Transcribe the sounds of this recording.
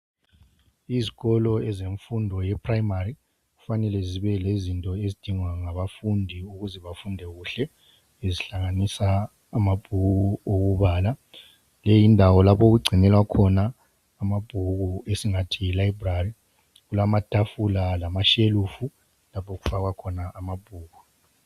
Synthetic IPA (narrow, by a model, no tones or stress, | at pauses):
iziɣɔlɔɛzeɱfundʱɔjɛpʰrajmari | ɣufanɛlɛziβɛlezintʼɔezid̥ʱiŋwaŋaβafundʱiuɣuzɛβafundʱɛɣuɬɛ | eziɬaŋanisaː | mab̥ʱuɣuoɣuβaːla | lejindʱawɔlapʰoɣuɡ͡ǀʱinɛlwakʰɔnaː | mab̥ʱuɣuesiŋatʰiilajbrari | ɣulamatʼafulalamaʃeluːfu | lapʰoɣufaɣakʰɔnaʔamab̥ʱuːɣu